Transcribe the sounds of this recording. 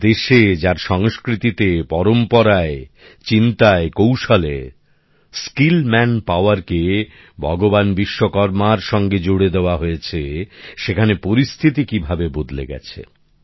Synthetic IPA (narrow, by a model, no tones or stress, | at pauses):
d̪eʃed͡ʑaɾʃɔŋskɾit̪it̪epɔɾompɔɾae | t͡ɕint̪aekowʃale | skilmɛnpaoaɾke | bʱɔɡobanbiʃːokɔɾmaɾʃɔŋɡed͡ʑoɽed̪eoaɦojet͡ɕʰeʃekʰanepoɾist̪ʰit̪̬ikibʱabebod̪lḛɡɛ̰t͡ɕʰḛ